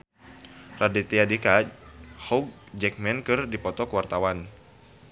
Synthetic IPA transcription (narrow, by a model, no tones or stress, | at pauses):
rʔadit̪iadikahɔɡ̚ | d͡ʒɛk̚mɛnkɨrdipɔt̪ɔkəwart̪awan